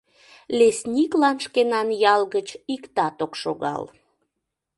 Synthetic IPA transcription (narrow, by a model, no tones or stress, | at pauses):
lesnʲiklɑnʃkenɑnjɑlɣət͡ɕikt̪ɑt̪okʃoɣɑ̰l